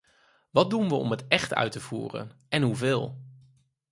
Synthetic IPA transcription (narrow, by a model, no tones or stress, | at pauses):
ʋɑt̚dunʋəɔ̰mətɛχtœ̰ɥtəv̥ṵːrə̰n | ɛnɦuvɪːlˠ